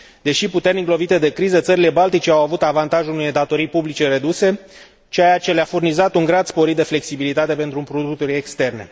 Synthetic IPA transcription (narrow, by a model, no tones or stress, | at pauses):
d̪e̞ʃiput̪e̞rniɡlo̞vit̪e̞d̪e̞kɾizət̪səɾile̞balt̪it͡ʃeawavut̪avant̪aʒunujed̪at̪o̞ɾijpublit͡ʃe̞re̞d̪use̞ | t͡ʃeajat͡ʃe̞leafurnizat̪uŋɡɾad̪spo̞ɾit̪̚d̪e̞fle̞ksibilit̪at̪e̞pe̞nt̪ɾupɾod̪ukt̪oɾʲekst̪e̞rne̞̰